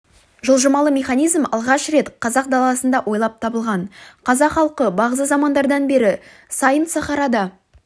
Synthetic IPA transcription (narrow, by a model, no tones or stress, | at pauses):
ʒəlˠʒəmɑlˠəmʲe̞χɑnijzmɑlˠʁɑʃɾe̞t̪qʰɑzɑq̚d̪ɑlˠɑsənd̪ɑwʔo̞jlˠɑp̚t̪ʰɑbəlˠʁɑnqʰɑzɑqχɑlˠqəbɑʁəzəzɑmɑnd̪ɑɾd̪ɑnbe̞ɾɪ | sɑjənsɑχɑɾɑd̪ɑ